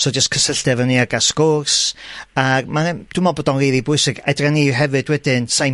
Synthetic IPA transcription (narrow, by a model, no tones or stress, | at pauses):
sɔd͡ʒəskʰəsəɬdɛvɛniaɡaskɔrsarmad̥ʊmɔbɔdɔnriðibʊɨsɪɡɛdraniɦɛvɨdwɛdɪnsaj